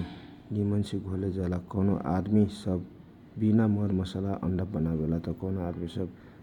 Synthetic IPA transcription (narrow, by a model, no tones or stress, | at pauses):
nimənsʰiɡʱoled͡ʒalakɔnoʔad̪misʌb | binaməɾmʌsalaʔə̰ɳɖəpbənabelat̪ɔkɔnoad̪misʌb